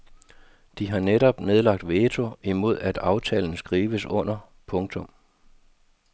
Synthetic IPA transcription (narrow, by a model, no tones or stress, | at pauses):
d̥iɦɑ̈neɾɒ̽b̥ne̝ðˠlɑ̈ɡ̥̚d̥ʋeːt͡sʰo̝imo̝ð̞̰ˠæd̥ɑ̈ʊt͡sʰɛ̰ːln̩sɡ̥ʁiːʋəsɔ̽n̰ɐ | pʰɔ̽ŋt͡sʰɔ̽m